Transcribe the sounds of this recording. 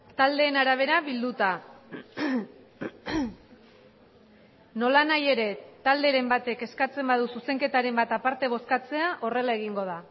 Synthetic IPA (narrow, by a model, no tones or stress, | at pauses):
t̪ald̪e̞ːnaɾaβ̞e̞ɾaβild̪ut̪a | no̞lanaje̞ɾe̞t̪ald̪e̞ɾe̞mbat̪e̞ke̞skat͡se̞mbaðususe̞ŋke̞t̪aɾe̞mbat̪apaɾt̪e̞β̞o̞skat͡se̞aʔo̞re̞lae̞ɣ̞iŋɡo̞ð̞a